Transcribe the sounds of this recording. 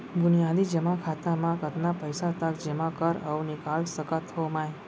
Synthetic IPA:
bʊnijad̪id͡ʒemãkʰat̪amãkət̪napəjsat̪əkd͡ʒemãkəɾəũnikalsəkət̪ʰomãj

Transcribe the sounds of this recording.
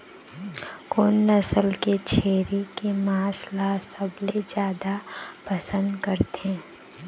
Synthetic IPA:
koːnːəsəlket͡ʃʰeːɾekemaːslasɐbled͡ʒjaːd̪apɐsə̃nd̪kəɾt̪e

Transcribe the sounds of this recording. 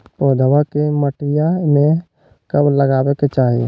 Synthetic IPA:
pɔːd̪ʱəwakeməʈɪjamẽ | kəbləɡaːweket͡ʃaːɦiḛ

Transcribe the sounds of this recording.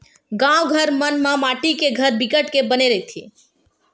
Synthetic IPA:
ɡãwɡʱəɾmənmãmaʈikeɡʱəɾbɪkəʈkebəneɾəit̪ʰḭ

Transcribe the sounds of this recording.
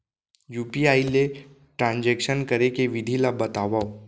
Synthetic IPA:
juːpiaːile | ʈɾãːnd͡ʒɛːkʃənkɐɾekeʋɪd̪ʱilabɐt̪aːʋao

